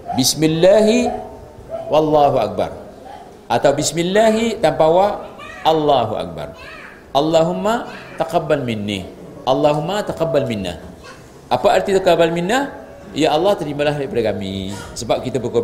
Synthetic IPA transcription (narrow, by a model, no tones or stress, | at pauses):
bismilːaɦi | wɑlːaɦua̰k̚ba̰r | ʔat̪awbismilːaɦit̪ampawaalːaɦuʔa̰k̚ba̰r | ʔalːaɦumːat̪aqabːalminːḭ | ʔalːaɦumːat̪aqabalminːa̰ | ʔapaart̪it̪əkabalminːa | jaʔɑlːɑht̪əɾimalaɦdaipadakamḭsəbap̚kit̪abəko